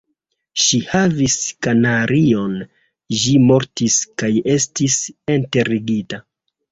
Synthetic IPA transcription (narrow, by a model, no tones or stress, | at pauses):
ʃihaviskanaɾʔio̞n | ʒimo̞ɾtiskaje̞stisente̞ɾiɡita